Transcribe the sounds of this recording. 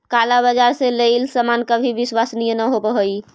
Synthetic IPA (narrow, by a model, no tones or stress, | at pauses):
kalabəd͡ʒaɾselelsəmankəbʱibiswasnijənəɦobəɦəi